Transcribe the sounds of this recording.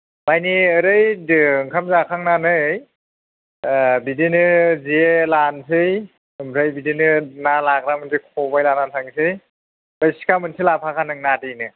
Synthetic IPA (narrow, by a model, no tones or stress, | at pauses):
majniɯɾɯjdɯŋkʰamzakʰaŋnanɯj | bidinɯzielansʰɯj | ɯmɾajbidinɯnalakɾamɯntʰikʰɔbajlanantʰaŋsʰɯj | bajsi̥kʰamɯntʰilapʰakʰanɯŋnadɯjnɯ